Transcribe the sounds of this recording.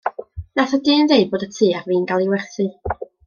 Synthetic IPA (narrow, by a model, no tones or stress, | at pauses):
naθadɨːnðejboːdətʰiːarviːnɡalˠiwɛrθɨ